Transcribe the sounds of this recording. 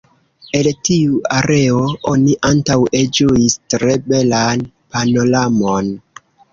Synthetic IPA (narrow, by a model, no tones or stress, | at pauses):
e̞ltiuaɾe̞oo̞niʔantawed͡ʒuistɾe̞be̞lan | pano̞lamo̞n